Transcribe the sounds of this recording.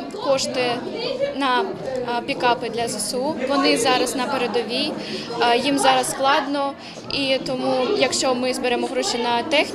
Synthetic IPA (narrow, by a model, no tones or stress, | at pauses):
kɔʃt̪ɪnɐ | pʲikɑpɪd̪lʲɐzɛsuʋɔnɪzɑɾɐznɐpeɾed̪ɔʋʲij | jimzɑɾɐssklˠɑd̪nɔ | it̪ɔmujɐkʃt͡ʃɔmɪzbeɾɛmɔɦɾɔʃʲinɐt̪ɛxʲ